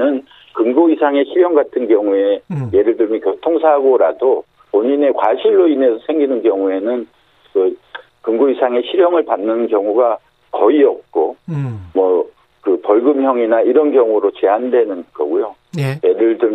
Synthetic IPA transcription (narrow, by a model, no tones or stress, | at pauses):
ɯn | kɯŋɡoisʰaŋe̞ɕʰiɾjʌŋɡatʰɯnkjʌŋue̞je̞ɾɯɭdɯɭmjʌnkjotʰoŋsʰaɡoɾado | poɲine̞kwaɕʰiɭːoine̞sʰʌsʰe̞ŋɡinɯnkjʌŋue̞nɯn | kɯ | kɯŋɡoisʰaŋe̞ɕʰiɾjʌŋɯɭpanːɯnkjʌŋuɡa | kʌiʌp̚k͈omwʌ | kɯpʌɭɡɯmçjʌŋinaiɾʌnkjʌŋuɾot͡ɕe̞andwe̞nɯnɡʌ̰ɡujo | je̞ɾɯɭdɯɭ